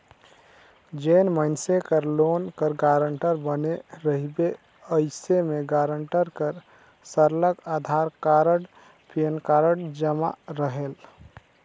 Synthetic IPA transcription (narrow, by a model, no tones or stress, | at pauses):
d͡ʒenməɪnsekəɾlonkəɾɡaɾəɳʈəɾbəneɾəɦibe | əɪsemeɡaɾəɳʈəɾkəɾ | səɾləkad̪ʱaɾkaɾəɽ | penkaɾəɽd͡ʒəma̰ɾəɦel